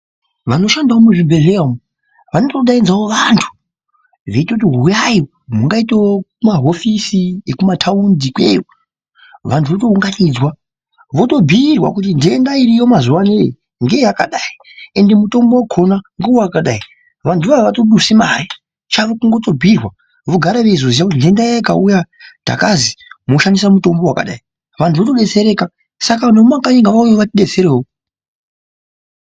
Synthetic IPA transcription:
ʋano̞ʃandaomuʐibʱe̞ɮeamu | ʋanotoɗainzaoʋantʰu̥ | ʐeitakut̬iɦujajo | muŋɡaiteokumaɦo̞fisiekumatʰaundikwe̞jo | ʋantʰuʋoto̞uŋɡanid͡zwa | ʋo̞to̞bʱirwa̰kut̬indeendaiɾijo̞mazuwanei | ŋɡe̞jakaɗaie̞nde̞muto̞mbowakʰo̞naŋɡuwaakaɗai | ʋantʰuʋaʋaʋatoɗusimai | t͡ʃaɾokuŋɡo̞to̞bʱiːrwa | ʋoɡʱaɾaʋeizozijakutindendaka̰ujad̥a̰kazimoʃandisamuto̞mbo̞waka̰ɗa̰i | ʋantʰuʋoto̞ɗe̞t͡se̞ɾe̞ːka | sakanomakaɲeŋɡaʋaujoʋatiɗet͡se̞ɾeːɦo

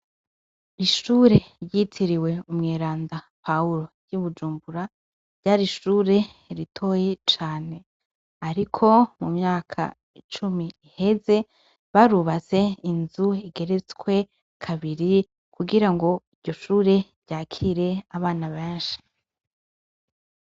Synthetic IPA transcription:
iʃuːɾeɾjitʰiɾiwe̞umŋeːɾaːnda | pauɾo̞ | juβud͡ʒuːmbuɾa | ɾɟaːɾiʃuːɾe̞ | ɾitʰo̞ːjet͡ʃaːne̞ | aɾikʰo̞mumɲaːkʰa̰ | it͡ʃumiːhe̞ze̞ | βaɾuβaze̞inzuiɡe̞ɾe̞t͡swe̞ | kʰaβiɾi | kuɡiɾaŋɡo̞iɟɟo̞ʃuːɾe̞ɾɟaːkʰiɾe̞aβaːnaβeːnʃi̥

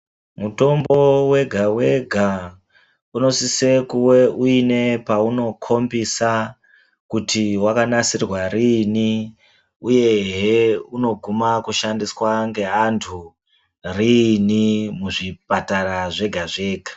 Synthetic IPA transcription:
muto̞mbo̞we̞ɡʱawe̞ɡʱa | uno̞sise̞kuwe̞uine̞pauno̞kʰo̞mbisa | kutʰiwakanasirwaɾini | uje̞ɦeuno̞ɡʱumakuʃandiswaŋɡe̞antʰu | rinimuʐipataɾaʐe̞ɡʱaʐe̞ːɡʱḁ

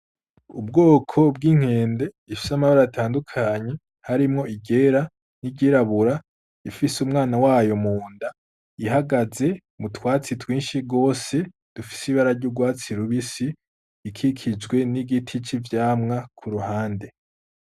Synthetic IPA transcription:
ub̚ɡoːkʰo̞b̚ɡiːŋ̥he̞ːnde̞ | ifi̥samaβaɾaatʰaːndukʰaɲe̞ | haɾimŋo̞iɟe̞ːɾa | niɟiɾaβuɾa | ifisumŋaːnawaːjo̞muːnda | iɦaɡaze̞ | mutwaːt͡sitwiːnʃiɡo̞ːse̞ | d̥ufi̥siβaɾaɾɟuɡwaːt͡siɾuβisiː | kʰikʰid͡ʒɡwe̞niɡitʰit͡ʃivjaːmŋakʰuɾuhaːnde̞

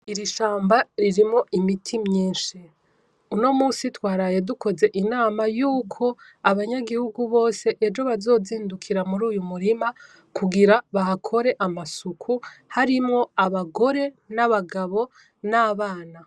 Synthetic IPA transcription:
iɾiʃaːmbaɾiɾimŋo̞ʔimitʰimɲiːnʃi | uno̞muːsitwaːɾaːje̞duko̞ze̞ʔinaːmajuːkʰo̞ | aβaɲaɡihuɡuβo̞ːse̞ʔed͡ʒo̞βazo̞ːziːndukʰiɾamuɾuːjumuɾima | kuɡiɾaβahakʰo̞ɾe̞ʔamasukʰuhaɾimŋo̞aβaɡo̞ɾe̞ | naβaɡaβo̞ | naːβaːna

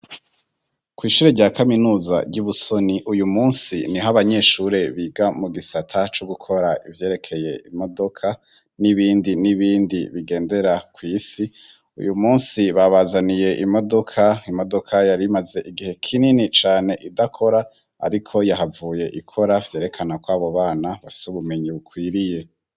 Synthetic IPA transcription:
kwiːʃuːɾeɾɟaːkaminuːza̰ɾɟuβuso̞niʔujumuːnsḭniɦaβaɲe̞ːʃuɾe̞βiːɡamuɡisatʰat͡ʃoɡukʰo̞ɾaʔivje̞ːɾe̞kʰe̞je̞imo̞do̞kʰa | niβiːndiniβiːndiβiɡe̞ːnde̞ɾakwiːsi | ṵjumuːnsiβaβazanije̞ʔimo̞do̞kʰaimo̞do̞kʰajaɾimaze̞ʔiɡihe̞kʰininit͡ʃaːne̞ʔidakʰo̞ɾa | a̰ɾikʰo̞jahavuːje̞ʔikʰo̞ɾavje̞ːɾe̞kʰanakwaːβo̞βaːnaβafi̥suβume̞ɲiβukwiːɾije̞

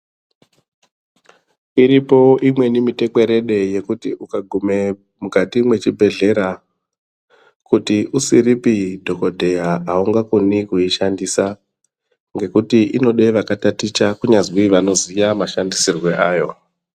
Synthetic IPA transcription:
iɾipo̞imwe̞nimite̞ke̞ɾe̞ɗe̞je̞kutiukaɡʱume̞ | mukatimwe̞t͡ʃibʱe̞ɮe̞ɾa | kutiʔusiɾipidʱo̞ko̞dʱe̞jaauŋɡakunikuiʃandiːsa | ŋɡe̞kutiʔino̞ɗe̞ʋakatatit͡ʃakuɲazwiʋano̞zijamaʃandisirwe̞ʔaːjo̞

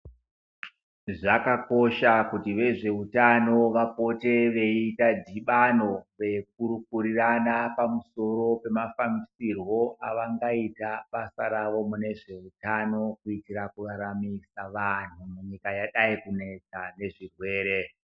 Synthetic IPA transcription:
ʐakako̞ʃakutiʋe̞ʐe̞utano̞ʋapo̞te̞ʋe̞itadʱiɓano̞ʋe̞k̚uɾukuɾiranapamuso̞ɾo̞pe̞mafamisirwo̞ʔaʋaŋɡaitaɓasaɾaʋo̞mune̞ʐe̞utano̞kuitiɾakuraɾamisaʋan̤umuɲikajaɗaikune̞t͡sane̞ʐirwe̞ːɾe̞

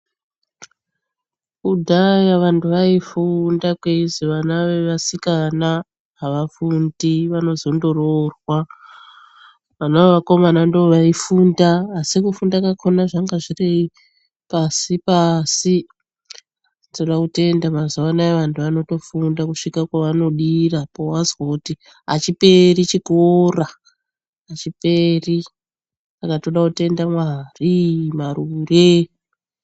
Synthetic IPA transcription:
kudʱajaʋantuʋaifundakweiziʋanaʋe̞ʋasikana | ɦaʋafundiʋano̞zo̞ndo̞rorwa | ʋanaʋeʋako̞manandooʋaifundaːsikufundakakʰonaʐaŋɡaʐirei | pasipasi | toɗakute̞ndamazoanaeʋantʰuʋano̞to̞fundakuʂikakwaʋano̞ɗirapowazwakuti | ɦa̰t͡ʃipe̞rit͡ʃiɡʱoraː | t͡ʃiperi | sakatoɗakute̞ndamwarimarure

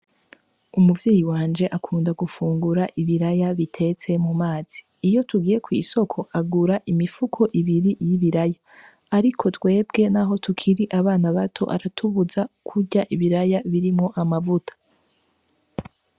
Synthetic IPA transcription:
umuvjiːjiwaːnd͡ʒe̞ʔakʰuːndaɡufuːŋɡuɾaʔiβiɾajaβitʰe̞t͡se̞mumaːz̥iːjo̞tuɡiːje̞kwḭːso̞kʰo̞ʔaɡuɾaʔimifukʰo̞ʔiβiɾijiβiɾajaː | ɾikʰo̞twe̞ːbɡe̞naɦo̞tukʰiɾiʔaβaːnaβatʰo̞̰ʔa̰ɾatʰuβuzakʰuɟaʔiβiɾajaβiɾimŋo̞ʔamavutʰḁ

